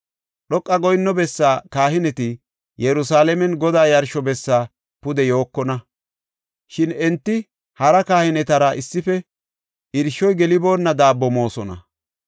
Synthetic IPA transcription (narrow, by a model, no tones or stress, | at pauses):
ɗɔkʼːɐɡɔjnːɔbɛsːaːkaːɦɪnɛt̪ɪ | jɛɾʊsaːlɛmɛnɡɔd̪aːjɐɾʃɔbɛsːaː | pʊd̪ɛjo̞ːkːɔnɐ | ʃɪnɛnt̪ːɪ | hɐɾɐkaːhɪnɛt̪ɐɾɐʔɪsːɪfɛ | ɪɾʃːɔjɡɛlɪbo̞ːnːɐd̪aːbːɔmo̞ːsɔnɐ̰